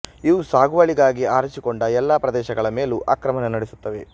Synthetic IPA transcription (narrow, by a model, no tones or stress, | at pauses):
iʋusaːɡuʋɐɭiɡaːɡiaːɾɐt͡ʃikoɳɖɐɛlːaːpɾɐd̪ɛːʃɐɡɐɭɐmeːluʔaːkɾɐmɐnɐnɐɽesut̪ːɐʋe̞